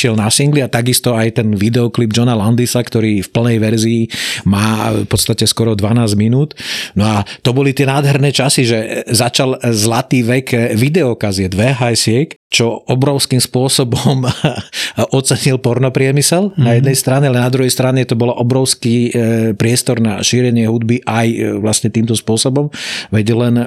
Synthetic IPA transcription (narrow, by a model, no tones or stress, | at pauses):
ʃɪɛlnasiŋɡliat̪aɡist̪ɔajt̪ɛnʋid̪ɛɔklib̚d͡ʒɔnaland̪isakt̪ɔɾiːfpl̩nɛjʋɛɾziːmaːfpɔt̪st̪acɛskɔɾɔd̪ʋanaːzminuːt̪nɔat̪ɔbɔlit̪ɪɛnaːd̪ɦɛɾnɛːt͡ʃasiʒɛzat͡ʃalzlat̪iːʋɛkʋid̪ɛɔkazɪɛd̪ʋɛɦajsɪɛkt͡ʃɔɔbɾɔʊskiːmspʊɔsɔbɔm | ʔɔt͡sɛɲilpɔɾnɔpɾɪɛmisɛlnajɛd̪nɛjst̪ɾaɲɛalɛnad̪ɾuɦɛjst̪ɾaɲɛt̪ɔbɔlaʔɔbɾɔʊskiːpɾɪɛst̪ɔɾna̰ʃiːɾɛɲɪɛɦud̪biʔajʋlasɲɛt̪iːmt̪ɔspʊɔsɔbɔmʋɛɟlɛn